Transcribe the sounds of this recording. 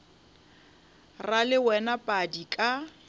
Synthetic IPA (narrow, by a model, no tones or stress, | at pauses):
ralɪwɛnapʼadikʼa